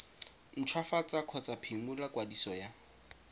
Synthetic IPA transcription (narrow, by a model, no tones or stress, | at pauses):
n̩t͡ʃʰwafat͡sʼakʰɔt͡sʼapʰimulakwadisɔja